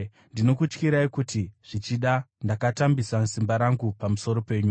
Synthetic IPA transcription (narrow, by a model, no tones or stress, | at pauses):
ndino̞kut͡ʃkiɾaikutiʐ̥it͡ʃiɗandakatambisasimbaɾaŋɡupamuso̞ɾo̞pe̞ːɲu